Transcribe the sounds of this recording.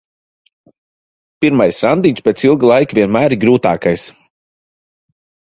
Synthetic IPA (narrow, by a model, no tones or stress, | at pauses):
piɾmajsɾand̪iɲʲspʲet̪silˠɡlˠajkvʲiɛnmæːɾiɡɾuːt̪a̰ːkajs